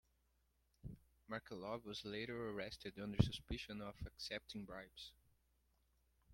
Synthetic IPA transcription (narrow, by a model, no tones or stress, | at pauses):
maɹkəlɔvwʌzleɪɾə˞əɹɛstɨdʌ̃ndə˞sɨspɪʃɨ̃nɔvəksɛp̚tʰɪ̃ŋbɹaɪbs